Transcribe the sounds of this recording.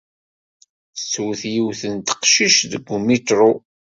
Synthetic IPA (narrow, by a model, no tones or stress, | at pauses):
swθjiwθənt̪ə̥qʃiʃðəɡːumit̪ɾˤu